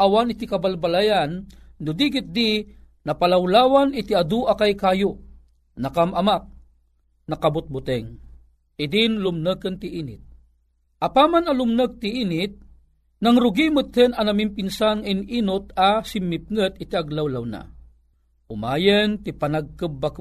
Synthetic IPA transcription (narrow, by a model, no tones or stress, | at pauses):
ʔawanit̪ikɐbalbalajanːʊd̪iɡit̪̚d̪i | nɐpalawlaːwanɪt̪iad̪uʔakajkajo | nakamʔɐmak̚ | nɐkabʊt̪̚bʊt̪ɛŋ | ɪd̪inlʊmnəkənt̪iʔiːnɪt̪̚ | ʔapamanɐlʊmnək̚t̪iʔiːnɪt̪̚ | naŋɾʊɡimət̪hənɐnɐmimpinsanŋaininʊt̪̚asɪmːɪp̚ŋət̪̚ɪt̪iaɡlawlawna̰ | ʊmaːjənt̪ipanaɡ̚kəbːak